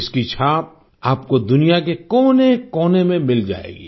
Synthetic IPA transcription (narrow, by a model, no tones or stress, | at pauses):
ɪskit͡ʃʰaːp̚ | aːpkod̪ʊnijakekɔːnekɔːnemẽmɪld͡ʒa̰ːḛːɡḭː